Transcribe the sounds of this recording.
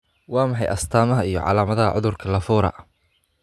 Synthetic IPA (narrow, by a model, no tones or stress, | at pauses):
wɑːmɑħɑjʔɐst̪ʰaːmɐɦɐijɔ̰ʕɑ̰laːmɐðɐɦɐʕʊðʊrkʰɐlɐfuːɾɐ̰